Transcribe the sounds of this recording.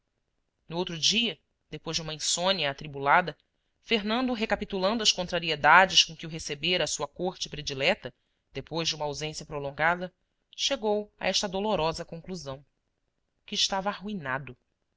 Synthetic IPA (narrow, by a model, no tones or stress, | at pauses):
nʊowt̪ɾʊd͡ʒiɐ | d̪̥epojzd͡ʒɪũmɐẽsõniɐːt̪ɾibulad̪ɐ | feɦnɐ̃nd̪ʊɦekapit̪ulɐ̃nd̪ʊɐskõnt̪ɾaɾied̪ad͡ʒɪʃkõkɪuɦesebeɾɐːsuɐkoɾt͡ʃɪpɾed͡ʒilɛt̪ɐ | d̪̥epojʒd͡ʒɪũmɐawzẽsjɐpɾolõŋɡad̪ɐ | ʃeɡowɐ̰ʔɛʃt̪ɐd̪oloɾɔzɐkõŋkluzɐ̃w̃ | kɪːʃt̪avɐaɦuinad̪ʊ